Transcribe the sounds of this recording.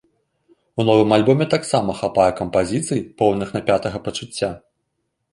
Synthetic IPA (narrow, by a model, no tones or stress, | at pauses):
unɔvɨmalʲbɔmʲɛt̪aksamɐxapajɛkɐmpazʲit̪sɨjipɔwnɨxnɐpʲat̪ɐɣɐpɐt͡ʂut͡sʲːa